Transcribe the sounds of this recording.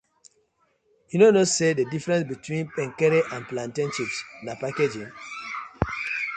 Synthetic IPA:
junonosededifɹɛ̃nsbitwĩnpɛ̃ŋkɛɾiʔãnplãntĩnʃipsnapaked͡ʒĩn

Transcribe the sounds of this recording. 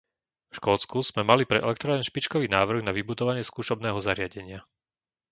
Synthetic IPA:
fʃkɔːt͡skuz̥mɛmalipɾɛʔɛ̰lɛk̚t̪ɾaːɛnʃpit͡ʃkɔʋiːnaːʋr̩ɣnaʋibud̪ɔʋaɲɪɛskuːʃɔbnɛːɦɔzaɾɪaɟɛɲɪa

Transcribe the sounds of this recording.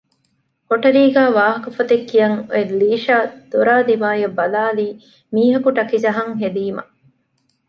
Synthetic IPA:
hoʈɐɾiːɡæːʋaːɦɐkɐfɐt̪ekːijɐŋeliːʃaːd̪̥oɾaːd̪imaːjɐbɐlaːliː | miːɦɐkuʈɐkid͡ʒɐɦɐŋɦed̪iːmɐ̰

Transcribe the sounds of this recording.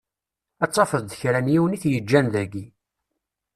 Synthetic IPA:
æt͡sˤːɑfəððəçɾænjiwəniθjəd͡ʒːænðæɡi

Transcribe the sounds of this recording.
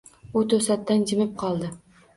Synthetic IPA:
ʊt̪ʰɵsat̪ːand͡ʒɪmɪp̚qʰɒlˠd̪ɪ

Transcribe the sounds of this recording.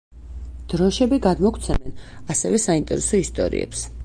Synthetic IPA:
d̪̥ɾɔʃɛbiɡad̪mɔkʰt̪sʰɛmɛnasɛvɛsaint̪ʼɛɾɛsɔist̪ʼɔ̰ɾḭɛ̰ps

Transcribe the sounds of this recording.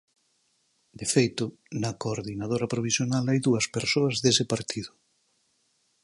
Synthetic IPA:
d̪efejt̪ʊ | nɐkoːɾðinað̞oɾɐpɾoβ̞isjonalajðuɐspeɾsoɐzðesɪpaɾt̪ʰiðʊ

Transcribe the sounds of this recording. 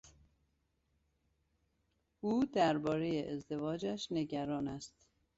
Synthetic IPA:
uːd̪æɾbɒːɾejeʔezd̪e̞vɒːd͡ʒæʃne̞ɟæɾɒːnæst̪

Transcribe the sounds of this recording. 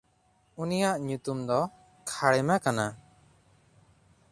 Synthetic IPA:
unijaʔɲut̪umd̪ɔ | kʰaɽɛmakana

